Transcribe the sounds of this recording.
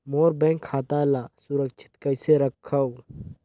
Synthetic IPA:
moːɾbɛ̃ːŋkʰːaːt̪alaːsʊɾəkt͡ʃʰɪ̥t̪kɐɪseɾəkʰːɐw

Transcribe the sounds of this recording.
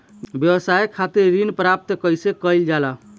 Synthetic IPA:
bjəwəsajkʰːat̪iɾːinpɾap̚t̪kəjsekəjld͡ʒala

